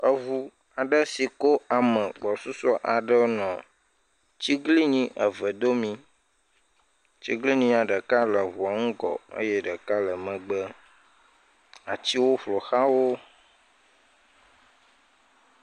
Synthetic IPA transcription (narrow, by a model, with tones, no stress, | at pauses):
ə˨vu˨ | a˨ɖə˦si˨ko˦a˨mə̃˨ɡ͡bɔ˨su˦sɔ˦ʔa˨ɖə˦nɔ̃˨ | t͡ɕi˦ɡli˦ɲĩ˦ʔə˨və˨d̪o˦mĩ˦ | t͡ɕi˦ɡli˦ɲĩ˦a˨ɖə˨ka˦lə˨vu˨a˨ŋũ˦ɡɔ̰˨ə̰˦je˦ɖə˨ka˦lə˨mə̃˨ɡ͡bə˦ | a˨t͡ɕi˦wo˦ɸlo˨xa˦wo˦